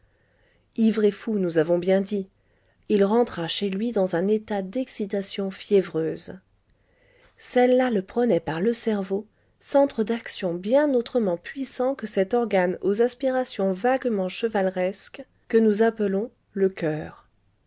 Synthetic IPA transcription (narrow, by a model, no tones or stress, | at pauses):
ivʁefunuzavɔ̃bjɛ̃d̪i | ilʁɑ̃t̪χaʃelɥid̪ɑ̃zɛ̃net̪ad̪ɛksit̪asjɔ̃fjɛvʁøːz | sɛlːaləpχənɛpaʁləsɛʁvo | sɑ̃t̪χəd̪aksjɔ̃bjɛ̃not̪χəmɑ̃pɥisɑ̃kəsɛt̪ɔʁɡanozaspiʁasjɔ̃vaɡmɑ̃ʃəvalʁɛsk | kənuzapəlɔ̃ | ləkœːʁ